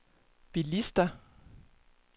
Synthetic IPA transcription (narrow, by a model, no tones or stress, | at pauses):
b̥ilisd̥ɐ